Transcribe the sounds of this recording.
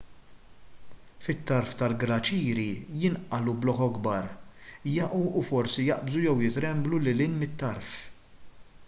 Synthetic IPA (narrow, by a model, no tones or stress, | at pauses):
fɪt̪ːɐɾft̪ɐlɡɾɐt͡ʃiːɾijɪnʔɐlublɔħɔɡbɐːɾjɐʔuːfɔɾsijɐʔbzujɛwjɪt̪ɾɛmblulɪlɪnmɪt̪ːɐɾf